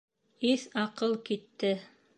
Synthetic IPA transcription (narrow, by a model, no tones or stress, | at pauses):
iθɑqɤlˠkit̪ːɘ